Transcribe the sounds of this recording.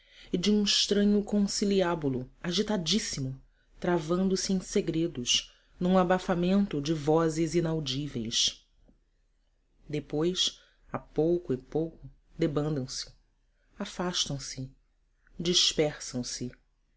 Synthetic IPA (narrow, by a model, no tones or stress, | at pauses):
ɪd͡ʒɪũɪʃt̪ɾɐ̃ɲʊkõsiliabulʊaʒit̪ad͡ʒisimʊ | t̪ɾavɐ̃nd̪ʊsɪẽj̃seɡɾed̪ʊʃ | nũabafamẽnt̪ʊd͡ʒɪvɔzɪzinawd͡ʒivḛjs | d̪epojs | apowkʊɪpowkʊ | d̪ebɐ̃nd̪ɐ̃w̃sɪ̥ | afaʃt̪ɐ̃w̃sɪ | d͡ʒiʃpɛχsɐ̃w̃sɪ